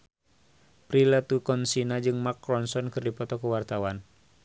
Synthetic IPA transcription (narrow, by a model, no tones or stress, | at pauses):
pɾilat̪ukɔnsinad͡ʒɨŋmakɾɔnsɔnkɨrdipɔt̪ɔkuwart̪awan